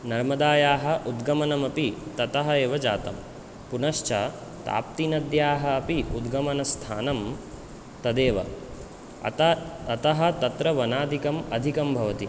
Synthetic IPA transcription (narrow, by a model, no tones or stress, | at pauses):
nɐɾmɐd̪aːjaːɦɐ̆ʔud̪ɡɐmɐnɐmɐpit̪ɐt̪ɐɦɐeːʋɐd͡ʒaːt̪ɐm | punɐʃt͡ʃɐ | t̪a̰ːp̚t̪inɐd̪jaːɦɐːpiud̪ɡɐmɐnɐst̪ʰaːnɐm | t̪ɐd̪eːʋɐ̰ | t̪ɐɐt̪ɐɦɐ̆t̪ɐt̪ɾɐʋɐnaːd̪ʱikɐmɐd̪ʱikɐmbʱɐʋɐt̪i